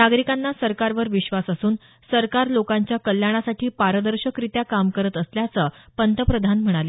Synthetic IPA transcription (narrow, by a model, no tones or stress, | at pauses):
naɡɾikanːasəɾkaɾʋəɾʋiɕʋasasuːn | səɾkaɾlokaɲt͡ɕjakəljaɽ̃asaʈʰiːpaɾəd̪əɾɕəkɾit̪jakamkəɾət̪əsljat͡səːpənt̪əpɾəd̪ʱanm̤əɽ̃ale